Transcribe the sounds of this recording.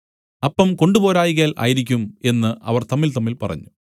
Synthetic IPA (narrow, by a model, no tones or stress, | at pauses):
ɐpːɐmko̞ɳɖubo̞ːɾaːjiɣ̬aːlʔa̰ːjiɾik̬ʲːume̞nːɨʔɐ̰ʋɐrt̪ɐmːilt̪ɐmːilpɐrɐ̰ɲːu